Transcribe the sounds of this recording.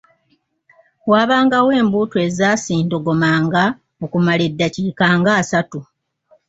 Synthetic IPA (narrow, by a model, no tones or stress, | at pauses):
waːβaːŋɡawe̞ːmbuːtwe̞zaːsiːndo̞ɡo̞maːŋɡa | okumaledːaciːkaːŋɡaːsatu